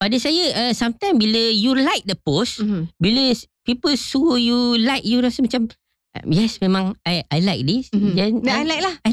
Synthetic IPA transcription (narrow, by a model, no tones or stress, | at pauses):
padasajəʔəsamt̪ãɪmbiləjulaɪk̚dəposbiləpipəlsujulaɪk̚juɾasəmat͡ʃam | ʔjɛsmẽmãŋajajlajk̚disjɛnajlajk̚laha